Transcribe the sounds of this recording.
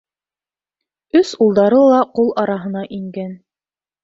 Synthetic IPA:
ɵsulˠd̪ɑɾɤlˠɑqulˠɑɾɑɦɤ̆nɑʔiŋɡæn

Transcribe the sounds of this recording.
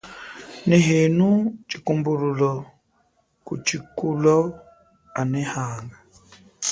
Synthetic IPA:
nɛɦenut͡ʃikumbuɾulɔ | kṵt͡ʃikulɔ | anɛhaːŋɡa

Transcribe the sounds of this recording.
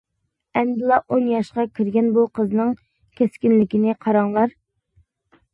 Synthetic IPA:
ɛnd̪ɪlˠɑʔonjɑʃqɑkʲʰiɾɡʲɛnbuqʰəznɨŋ | kʲʰɛskʲinlɪkʲinɪqʰɑɾɑŋlˠɑɾ

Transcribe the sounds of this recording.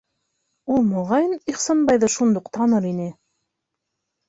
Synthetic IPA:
ulˠmŏʁɑjniχsɑnbɑjðɤʃund̪uqt̪ɑnɤɾinɘ

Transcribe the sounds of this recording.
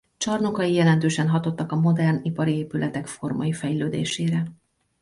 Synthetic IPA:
t͡ʃɒrnokɒjijɛlɛnt̪øːʃɛnɦɒt̪o̞t̪ːɒkɒmo̞d̪ɛrnipɒɾieːpylɛt̪ɛkfo̞rmɒ̰jifɛjløːd̪ḛːʃeːɾɛ

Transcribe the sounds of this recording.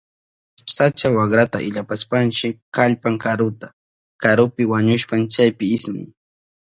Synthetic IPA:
sat͡ʃawakɾat̪a̰ʔɪ̰ʎapaspant͡ʃɪkaʎpaŋkaɾʊt̪a | kaɾʊpɪwaɲʊʃpant͡ʃajpɪɪsmɪ̰ŋ

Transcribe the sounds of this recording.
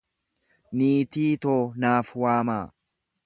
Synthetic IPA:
niːt̪iːt̪oːnaːfwaːmaː

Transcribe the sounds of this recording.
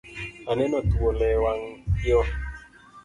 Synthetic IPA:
anɛnɔt̪uolɛwaŋiɔ

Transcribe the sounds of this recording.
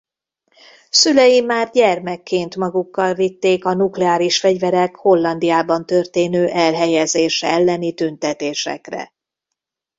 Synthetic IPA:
sylɛjimːaːrɟɛrmɛkːeːnt̪mɒɡukːɒlvit̪ːeːkɒnuklɛaːɾiʃfɛɟvɛɾɛkho̞lːɒnd̪ijaːbɒnt̪ø̞rt̪eːnøːʔɛlɦɛjɛzeːʃɛɛlːɛnit̪ynt̪ɛt̪eːʃɛ̰krɛ̰

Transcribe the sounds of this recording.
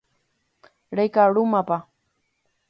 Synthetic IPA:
ɾajkaɾʊmapa

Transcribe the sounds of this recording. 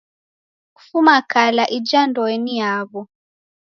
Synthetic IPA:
ku̥fumakalaʔid͡ʒandɔɛniaɣɔ

